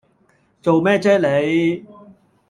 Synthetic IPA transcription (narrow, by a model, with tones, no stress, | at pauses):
t͡so˨wmɛː˥˩t͡sɛː˥le˨˧˥j